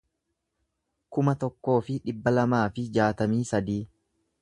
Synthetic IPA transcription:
kʊmɐt̪ɔkːo̞ːfɪᶑɪbːɐlɐmaːfɪd͡ʒaːt̪ɐmiːsɐd̪iː

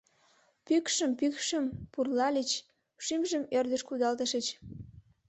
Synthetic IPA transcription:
pykʃəmpykʃəmpurlɑlʲit͡ɕ | ʃimʒəmerd̪əʃkud̪ɑlt̪əʃət͡ɕ

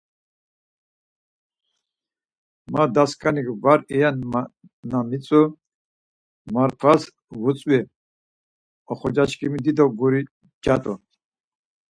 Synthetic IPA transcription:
mad̪askʼanikvaɾɛjan | namit͡sʼu | maɾpʰas | vut͡sʼwɛ | ɔχɔd͡ʒaʃkʼimid̪id̪ɔɡuɾi | d͡ʒat̪ʼɔ

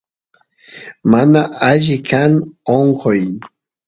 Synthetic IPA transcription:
manaʔaʒɪkʰanoŋkʰoj

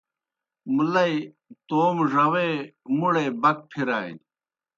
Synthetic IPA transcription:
mulɐi | t̪oːmʐɐwemuɽeːbɐk̚pʰiɾaːḭ

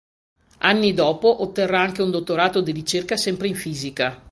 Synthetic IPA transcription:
anːid̪ɔːpoʔot̪ːerːaaŋkeund̪ot̪ːoɾaːt̪od̪iɾit͡ʃerkasɛmpɾeiɱfiːzika

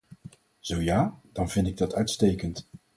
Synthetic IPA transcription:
z̥owjaːd̥ɑnvɪndɪɡ̚dɑtœɥtstejkənt

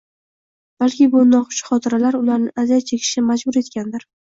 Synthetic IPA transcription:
b̥alkʲɪbʊnɒqʊ̥t͡ʃχɒt̪ʰɪɾalaɾʊlaɾnɪazat͡ʃʰekʲʰɪ̥ʃɪmad͡ʒbʊɾe̞t̪kʲand̪ɪɾ

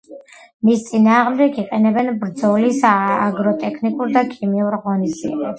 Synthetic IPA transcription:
mist̪sʼinaːʁmd̪ɛɡiqʼɛnɛbɛnbɾd̪zɔlisaɡɾɔt̪ʼɛkʰnikʼuɾd̪akʰimiuɾʁɔnizd̪ḭɛ̰bɛbs

